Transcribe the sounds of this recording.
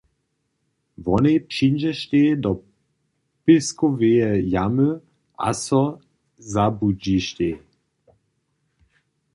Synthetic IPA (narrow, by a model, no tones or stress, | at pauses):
vɔnepʃinʒɛʃt̪ed̪ɔ | piskoveɛjamə | a̰sɔ | zabud͡ʒiʃt̪e